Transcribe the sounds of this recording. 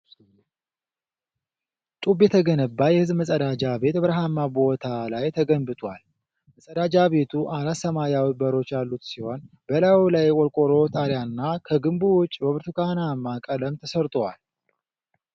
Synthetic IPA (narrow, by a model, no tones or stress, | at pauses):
t̪ʼubjɛt̪ʰəɡənəbːajɛhɨzməsʼəd̪ad͡ʒabe̞t̪bəɾəɦamabo̞t̪ʰalajt̪ʰəɡəmbɨt̪ʰʼwal | məsʼəd̪ad͡ʒaβe̞t̪ʰuʔalasəmajawibəɾo̞t͡ʃːjalːut̪siho̞n | bəlawilajkʼɔlkʼoɾo̞t̪ʼaɾjanːakʰəɡɨmbuwʊt͡ʃʼːbəβɨɾt̪ʰukanamːakʼələmt̪ʰəsəɾt̪ʼwa̰l